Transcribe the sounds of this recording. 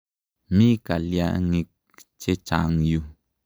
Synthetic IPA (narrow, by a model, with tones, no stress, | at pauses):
mi˦ka˨lja˧ŋi˧k̚ | t͡ʃe˦t͡ʃa̰˨ŋju˧